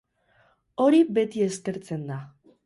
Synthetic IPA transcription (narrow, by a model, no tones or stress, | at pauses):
o̞ɾibe̞t̪ie̞ske̞ɾt͡se̞nd̪a